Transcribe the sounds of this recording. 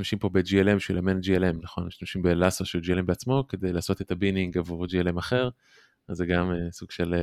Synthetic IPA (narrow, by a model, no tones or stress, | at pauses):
amʃimpo̞bed͡ʒielembiʃwilamend͡ʒielemnaχo̞nmiʃtamʃimbelasoʃeld͡ʒielembeat͡smo̞ke̞d̪e̞jlaːso̞t̪et̪abiniŋɡavuʁd͡ʒielemaχe̞ʁ | azːeɡamesuɡ̥ʃel